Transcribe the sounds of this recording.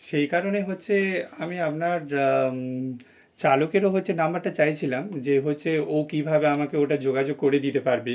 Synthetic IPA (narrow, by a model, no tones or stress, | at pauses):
ʃejkaɾoneɦotːɕʰeamiapnaɾ | t͡ɕalokeɾoɦotːɕʰenambaɾʈat͡ɕajt͡ɕʰilamd͡ʑeɦotːɕʰeowkibʱabeamakeoʈad͡ʑoɡad͡ʑoɡ̚koɾed̪it̪epaɾbe